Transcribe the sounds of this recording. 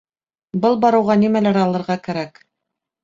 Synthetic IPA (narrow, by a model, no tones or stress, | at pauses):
bɤlˠbɑɾɤ̆wʁɑnimælæɾɑlˠɤ̆ɾʁɑkæɾæk